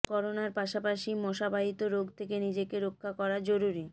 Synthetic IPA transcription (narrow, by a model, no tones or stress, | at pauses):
kɔɾonaɾpaʃapaʃimɔʃabaɦit̪oɾoɡt̪ʰekenid͡ʑekeɾokʰːakɔɾad͡ʑoɾuɾi